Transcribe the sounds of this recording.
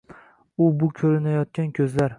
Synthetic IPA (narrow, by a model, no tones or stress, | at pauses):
ʊbʊkʲʰɵɾɪnajɒt̪̚kʲankʲʰɵzlaɾ